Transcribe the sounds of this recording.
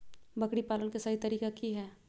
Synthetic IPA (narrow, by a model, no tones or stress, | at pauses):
bɐkɽipaːlənkasaɦit̪ɐɾiːkakiɦɛː